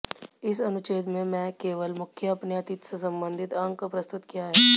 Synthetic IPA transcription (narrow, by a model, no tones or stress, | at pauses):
ɪsɐnʊt͡ʃeːd̪mẽmɛ̃ːkeːʋəlmʊkʰjəɐpneɐt̪ɪt̪sesɐ̃mbə̃nd̪ʱɪt̪ɐ̃ŋɡkapɾɐst̪ʊt̪kijaɦɛː